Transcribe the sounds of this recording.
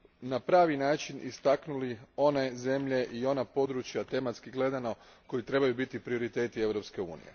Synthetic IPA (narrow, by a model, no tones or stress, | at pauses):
napɾaːʋinaːt͡ʃinʔḭst̪aknulio̞ne̞ze̞mʎe̞ʔio̞napo̞d̪ɾut͡ʃjat̪e̞mat̪skiɡle̞d̪anako̞jit̪ɾe̞bajubit̪ipɾio̞ɾit̪e̞ːt̪ie̞ʋɾo̞pske̞ṵːnḭje̞̰